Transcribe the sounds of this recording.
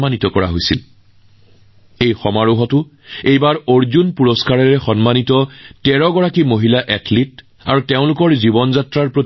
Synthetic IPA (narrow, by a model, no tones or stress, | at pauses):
anitɔkɔɹa̰ɦojsil | ejxɔmaɹuɦɔtʊ | ejbaɹoɹzunpuɹɔskaɹɔɹɛxɔnmanitɔtɛɹɔɡɔɹakimoɦilaʔɛtʰlit | a̰ɹuteʊ̃lʊkɔɹzibɔnzatɹaɹpɹo